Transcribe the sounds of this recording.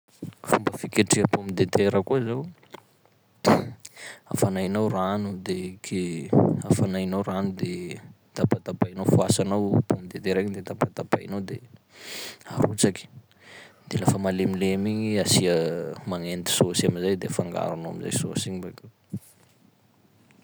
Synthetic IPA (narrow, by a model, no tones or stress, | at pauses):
fumbəfikeʈ͡ʂiəpomid̪et̪ʰeɾəkuzaw | a̰fanajnawranud̪ekʰeafanajnawɾanud̪e | t̪apat̪apajnawfuasanawpomid̪et̪eɾeɲid̪et̪apat̪apa̰jnawd̪e | aɾut͡saki̥ | d̪̥elafəmalemilemiɲiasiəmaŋend̪i̥sosamizajd̪efaŋɡa̰ɾunoa̰miza̰jso̰siɲimbake